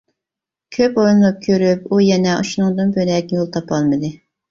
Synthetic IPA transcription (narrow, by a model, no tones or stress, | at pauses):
kʲʰøpoɾunlˠɑp̚kʲʰøɾypujɛnɛʔṵʃunuŋd̪ɨnbølɛk̚ʲjolˠt̪ʰɑpʰɑlˠmɨd̪ɨ